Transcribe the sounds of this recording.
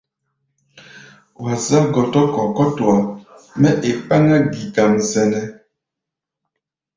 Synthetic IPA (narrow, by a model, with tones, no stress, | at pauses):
wa˨za˦ɡɔ˨tɔ˦kɔ˨kɔ˦twa˨ | mɛ˦ʔe˨pa˦ŋa˦ɡi˨ka˨mzɛ˨nɛ˦